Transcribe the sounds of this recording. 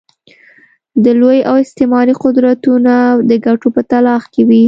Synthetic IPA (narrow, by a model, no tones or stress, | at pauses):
d̪əlojawɪst̪ɪmɑɾiqʊd̪ɾat̪unad̪əɡaʈopət̪alɑxkewi